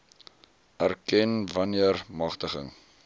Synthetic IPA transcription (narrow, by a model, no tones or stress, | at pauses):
ʔærkɛnvɐniərmɐχtəχə̰ŋ